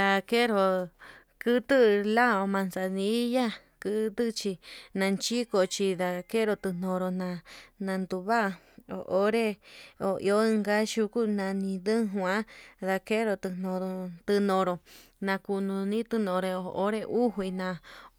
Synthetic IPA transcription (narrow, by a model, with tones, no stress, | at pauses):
d̪a˧ke˦ɾo˧˨ | kɨ˦t̪ɨ˦˧la˦˨o˧mã˧nsa˧nĩ˧˦ja˦ | kɨ˧˦t̪ɨ˦t͡ʃi˧nã˧nt͡ʃi˦ko˧˨t͡ʃi˧ða˧ke˦ɾo˧t̪ɨ˧n̥õ˧ɾo˧nã˧nã˧nd̪u˧βa˦˧ | o̰˨ʔo˦ɾe˦o˨ḭ˧o˦ɨ˧ŋɡa˦ʃu˧ku˦nã˧nĩ˧ðɨ̃˦ɦwã˦ða˧ke˦ɾo˧t̪ɨ˧n̥õ˧ɾo˧t̪ɨ˧nõ˧ɾo˧˨ | nã˧ku˧nũ˧nĩ˦t̪ɨ˧nõ˧˨ɾe˧o˧˨ʔo˦ɾe˧ʔu˦ɦwi˧nã˧